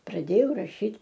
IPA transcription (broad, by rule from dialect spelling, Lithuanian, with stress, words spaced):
prɐˈdʲeːjɛʊ rɐˈʃʲiːtʲ